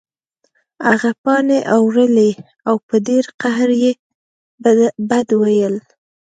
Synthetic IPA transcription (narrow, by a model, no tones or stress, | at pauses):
aɣapɑneʔawɾəle | awpəd̪eɾqaɦɾje | bad̪wajəl